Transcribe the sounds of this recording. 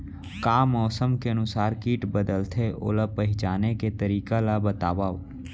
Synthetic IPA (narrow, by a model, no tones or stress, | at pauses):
kaːmɔːsəmkeənʊsaːɾkiːʈbəd̪əlt̪ʰeʔo̰ːlapəɦɪt͡ʃaːneket̪əɾiːkalabət̪aːʋaːo